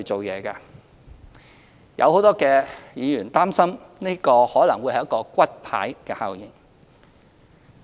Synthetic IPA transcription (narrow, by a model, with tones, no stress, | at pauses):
t͡so˨wjɛː˨˧kaː˧ | jʔɐ̰˧who˨˥wt̪ɔː˥kɛː˧jiː˨˧jyː˨˩nt̪aː˥msɐ˥mneː˥kɔː˧hɔː˨˥lɐ˨˩ŋwu˨˧jhɐ˨jkːɔː˧kʷɐ˥t̚pʰa̰ː˨˥jkɛː˧ha̰ː˨wjiː˨˩ŋ